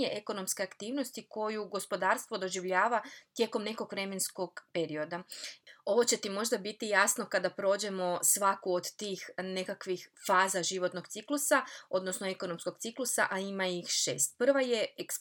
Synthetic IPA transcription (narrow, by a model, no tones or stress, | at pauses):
eʔeko̞no̞mske̞akt̪iːʋno̞st̪iko̞juɡo̞spo̞d̪aːɾst̪ʋo̞d̪o̞ʒiʋʎaːʋat̪je̞ːko̞mne̞ko̞ɡʋɾe̞mensko̞ɡpe̞ɾio̞d̪ao̞ʋo̞t͡ɕe̞t̪imo̞ʒd̪abit̪ijasno̞kad̪apɾo̞d͡ʑemo̞sʋakuod̪t̪iːxne̞kakʋixfaːzaʒiʋo̞t̪noɡt̪siklˠusao̞d̪no̞snoe̞ko̞no̞msko̞ɡt̪siklˠusaʔaimaixʃe̞̰ːst̪̚pr̩ʋaje̞eks